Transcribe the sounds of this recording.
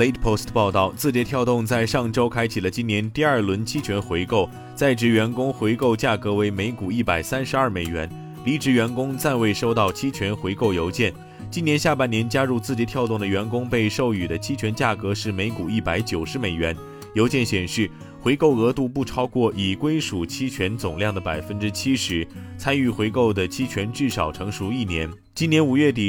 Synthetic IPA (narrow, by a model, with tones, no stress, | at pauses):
le˥ɪt̪pʰo˥˧ʊstpɑ˥˧ʊt̪ɑ˥˩ʊt͡sɹ̩˥˩t͡ɕjɛ˧˥t̪ʰjɑ˥˧ʊt̪ʊ˥˧ŋt͡sa˥˧ɪʂɑ˥˩ŋʈ͡ʂo˥ʊkʰa˥ɪt͡ɕʰi˨˩lə˦t͡ɕi˥nnjɛ˧˥nt̪i˥˧ə˞˥˩lwə˧˥nt͡ɕʰi˥t͡ɕʰɥɛ˧˥nxwe˧˥ɪko˥˧ʊ | t͡sa˥˩ɪʈ͡ʂɻ̩˧˥˩ɥɛ˧˥nkʊ˥ŋxwe˧˥ɪko˥˧ʊt͡ɕja˥˩kɤ˧˥we˧˥ɪme˧˥ɪku˨˩i˥˩pa˨˩ɪsa˥nʂɻ̩˧˥ɐ˞˥˩me˨˩ɪɥɛ̰˧˥n | li˧˥ʈ͡ʂɻ̩˧˥ɥɛ˧˥nkʊ˥ŋt͡sa˥˧nwe˥˩ɪʂo˥ʊt̪ɑ˥˩ʊt͡ɕʰi˥t͡ɕʰɥɛ˧˥nxwe˧˥ɪko˥˩ʊjo˧˥ʊt͡ɕjɛ˥˩n | t͡ɕi˥njɛ˧˥nɕja˥˧˩pa˥˩njɛ˧˥nt͡ɕja˥ɻu˥˧t͡sɹ̩˥˧˩t͡ɕi˧˥t̪ʰjɑ˥˧ʊt̪ʊ˥˩ŋd̪ə˩ɥɛ˧˥nkʊ˥ŋpe˥˧ɪʂo˥˩ʊy˨˩d̪ə˦t͡ɕʰi˥t͡ɕʰɥɛ˧˥nt͡ɕja˥˩kɤ˧˥ʂɻ̩˥˩me˧˥ɪku˨˩i˥˩pa˧˥ɪt͡ɕjo˨˩ʊʂɻ̩˧˥me˨˩ɪɥɛ˧˥n | jo˧˥ʊt͡ɕjɛ˥˩nɕjɛ˨˩nʂɻ̩˥˩ | xwe˧˥ɪko˥˩ʊɤ˧˥t̪u˥˧p̬u˥˩ʈ͡ʂʰɑ˥ʊkwɔ˥˩ʔi˨˩kwe˥ɪʂu˨˩t͡ɕʰi˥t͡ɕʰɥɛ˧˥nt͡sʊ˨˩ŋljɑ˥˩ŋd̪ə˩pa˨˩ɪfə˥nʈ͡ʂɻ̩˥t͡ɕʰi˥ʂɻ̩˧˥t͡sʰa˥ny˥˩xwe˧˥ɪko˥˩ʊd̪ə˩t͡ɕʰi˥t͡ɕʰɥɛ˧˥nʈ͡ʂɻ̩˥˩ʂɑ˨˩ʊʈ͡ʂʰɤ˧˥ŋʂu˧˥i˥˩njɛ˧˥n | t͡ɕi˥njɛ˧˥nu˨˩ɥɛ˥˩t̪̬i˨˩